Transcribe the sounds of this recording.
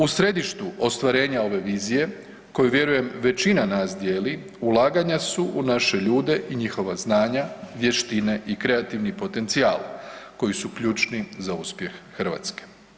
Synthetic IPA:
usɾe̞d̪iʃt̪uʔo̞st̪ʋaɾe̞ːɲao̞ʋe̞ʋiːzije̞ | ko̞juʋje̞ɾuje̞mʋe̞t͡ɕinanaːsd̪je̞ːli | ulˠaːɡaɲasuʔunaʃe̞ʎuːd̪e̞ʔiɲixo̞ʋaznaːɲaʋje̞ʃt̪ine̞ʔikɾe̞at̪iʋnipo̞t̪e̞nt̪siaːlko̞jisukʎuːt͡ʃnizauspje̞xːrʋa̰ːt̪ske̥

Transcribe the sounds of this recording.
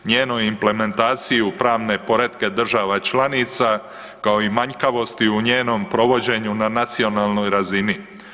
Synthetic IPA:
ɲeːno̞jimple̞me̞nt̪aːt̪sijupɾaːʋne̞po̞ɾe̞d̪ke̞d̪r̩ʒaʋat͡ʃlaniːt̪sa | kao̞imaɲkaʋo̞st̪iuɲe̞ːno̞mpɾo̞ʋo̞d͡ʑe̞ɲunanat̪sio̞naːlˠno̞jɾazini

